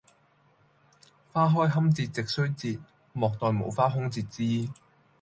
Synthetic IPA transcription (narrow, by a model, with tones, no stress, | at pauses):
faː˥ɦɔː˥jɦɐ˥mt͡siː˧t̚t͡sɪ˨k̚sɵ˥ɥt͡siː˧t̚ | mɔː˨k̚t̪ɔː˨˧jmo̰˨˧wfaː˥ɦʊ˥ŋt͡siː˧t̚t͡siː˥